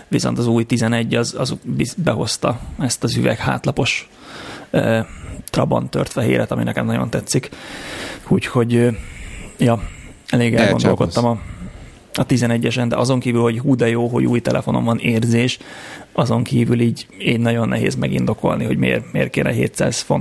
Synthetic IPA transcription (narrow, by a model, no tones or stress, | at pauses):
viso̞nt̪ɒzuːjt̪izɛnɛɟːɒzɒzbibɛɦo̞st̪ɒɛst̪ɒzyvɛ̰kha̰ːt̪lɒpo̞ʃ | øːt̪rɒbo̰nt̪ørt̪fɛɦḛːɾʔɛt̪ɒminɛkɛmnɒɟo̞̰nt̪ɛt̪sːik | uːcho̞ɟ | jɒ | ɛleːɡɛlɡɡo̞nd̪o̞lko̞tt̪ːɒmɒ | ɒt̪izɛnɛɟːɛʃɛnd̪ɛ̰ʔɒzo̞ŋkiːvylho̞ɟɦuːd̪ɛjoːɦo̞̰ɟuːjt̪ɛlʔɛfo̞no̞mɱvɒneːrzeːʃɒzo̞ŋkiːvyliːɟiːɟnɒɟo̞nːɛɦḛːzmɛɡḭnd̪o̞ko̞̰lniɦo̞ɟmḛːrmeːrkeːnʔɛɦḛːt̪sa̰ːz̥fon